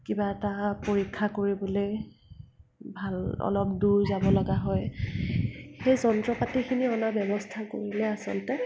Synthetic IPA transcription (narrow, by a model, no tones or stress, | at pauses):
kibaɛtapoɹikʰːakoɹibɔloj | bʱalɔ̰lɔp̚duɹzabɔlɔɡaɦɔj | xejzɔntɹɔpatikʰiniɔnabjɔbɔstʰakoɹilɛasɔ̰ntɛ